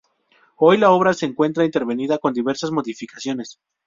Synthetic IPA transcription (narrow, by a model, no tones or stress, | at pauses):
o̞jlao̞βɾase̞ːŋkwe̞nt̪ɾaint̪e̞ɾβe̞niðako̞nd̪iβe̞ɾsazmo̞ðifikasjo̞nes